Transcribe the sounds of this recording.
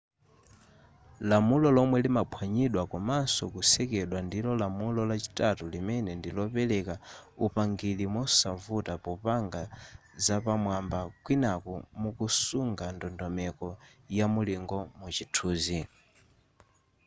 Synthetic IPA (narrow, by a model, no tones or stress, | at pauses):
lamulɔlɔmwɛlimapʰwaɲiɗwakɔmansɔkusɛkɛɗwandilɔlamulɔlat͡ʃi̥tatulimɛnɛndilɔpɛlɛkaupaŋɡilimɔsaɱvutapɔpaŋɡa | zapamwambakwinakɔmukusuŋɡandɔndɔmɛkɔjamuliŋɡɔmut͡ʃitʰuːzi